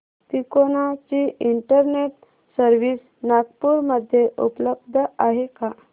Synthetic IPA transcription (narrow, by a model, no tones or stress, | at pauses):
t̪ikonat͡ɕiiɳʈəɾneʈ | səɾʋiːs | naɡpuɾməd̪ʱːjeʔṵpləb̚d̪ʱəaɦeka